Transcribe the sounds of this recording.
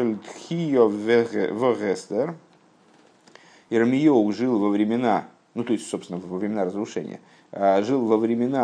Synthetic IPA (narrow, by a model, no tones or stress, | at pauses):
ɨlʲt̪xʲijovvəɣɛst̪ɛr | ɪɾmʲɪjoɡʐɨlˠvəvɾʲɪmʲɪna | nut̪o̞ɪsʲtʲsopsʲɪnəvvəvɾʲɪmʲɪnaɾəzɾʊʂɛ̰nʲɪ̰jə̰ | əʐɨlˠvəvɾʲɪmʲɪna